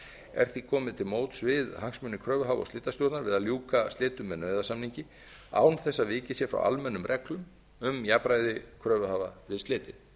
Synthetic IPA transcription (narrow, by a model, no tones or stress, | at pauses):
ɛ̰ɾ̥θikʰɔːmɪðt̪ʰɪlmoːwt̪svɪðhaŋsmʏnːɪkʰɾœːvʏɦaːvɔ̰ɣst̪ɪːt̪ast̪jowt̪naɾvɪðaðljuːkast̪ɪːt̪ʏmɛðnœːɥðasamniɲcɪ | a̰ːwnθɛsːavɪːcɪsjɛfɾa̰wʔa̰lmɛnːʏmrʔɛklʏm | ʏmjaːpɾaːjðɪkʰɾœːvʏhaːvavɪðst̪ɪːt̪ɪn